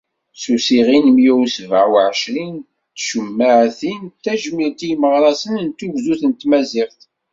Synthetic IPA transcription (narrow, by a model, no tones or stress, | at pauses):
susiʁinmjuwsvaʕwʕəʃɾin | t̪ːʃəmːaʕθint̪æʒmiɾt̪ijməʁɾˤɑsənnt̪uʝzuθənt̪mæziʁθ